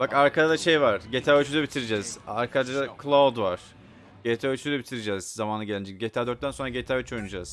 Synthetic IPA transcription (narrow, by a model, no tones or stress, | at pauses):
b̥akaɾkʰad̪ad̪aʃe̞jvaɾ̥ɟet̪ʰaːøt͡ʃʰyd̪ɛbit̪ʰiɾed͡ʒɛz̥aɾkʰad͡ʒad̪akʰlˠad̪vaɾ̥ | ɟ̥et̪ʰaøt͡ʃʰyd̪ɛbit̪ʰiɾed͡ʒɛz̥zamaːnɯɟelʲænd͡ʒɛɟet̪ʰaːd̪øɾt̪t̪ːænso̞nɾaɟet̪ʰaːyt͡ʃʰojunud͡ʒaz̥